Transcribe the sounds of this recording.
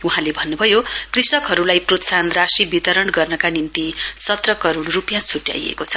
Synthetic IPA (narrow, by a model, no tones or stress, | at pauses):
uɦãlebʱʌnːubʱʌjokrisʌkɦʌɾulajprot̪sanrasibit̪ʌɾʌɳɡʌrnʌkanimt̪isʌt̪rʌkʌɾoɽ̃rupjãsʰuʈja̰jḛkot͡sʰʌ̥